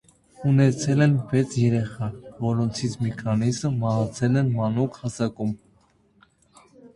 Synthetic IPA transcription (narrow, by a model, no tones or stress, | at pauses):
unɛt͡sʰɛlɛnvɛt͡sʰjɛɾɛχɑvɔɾɔnt͡sʰit͡sʰmɛkʰɑnizəmɑɦɑt͡sʰɛlɛnmɑnukhɑsɑkum